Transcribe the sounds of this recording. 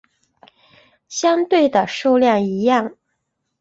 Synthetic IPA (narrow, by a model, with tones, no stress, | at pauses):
ɕjɑ˥ŋt̪we˥˩ɪd̪ə˩ʂo˥˧ʊljɑ˥˩ŋi˧˥jɑ˥˩ŋ